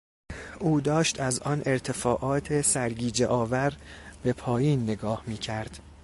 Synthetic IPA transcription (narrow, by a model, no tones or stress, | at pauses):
ʔuːd̪ɒːʃt̪ʰæzɒːnʔe̞ɾt̪ʰe̞fɒːʔɒːt̪ʰesæɾɡiːd͡ʒeʔɒːvæɾb̥e̞pʰɒːjiːnːeɡɒːhmiːcʰæɾd̪̥